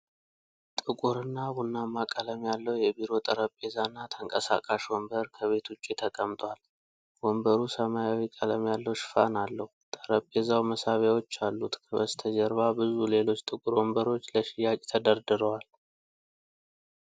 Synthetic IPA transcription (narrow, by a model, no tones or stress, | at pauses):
t̪ʼɨkʼuɾɨnːabunːamːakʼələmjalːəwjɛbiɾo̞t̪ʼəɾəpʼːe̞zanːat̪ʰəŋkʼəsa̰kʼaʃwɔmbəɾkʰəβe̞t̪ut͡ʃʼːe̞t̪ʰəkʼəmt̪ʼwal | wɔmbəɾusəmajawikʼələmjalːəwʃɪ̥fa̰nalːəhut̪ʼəɾəpʼːe̞zawməsaβjawo̞t͡ʃːalːut̪kʰəbəst̪ʰəd͡ʒəɾβabɨzule̞lo̞t͡ʃːt̪ʼɨkʼuɾwɔmbəɾo̞t͡ʃːləʃɪjakʼt̪ʰəd̪əɾd̪ɨɾəwal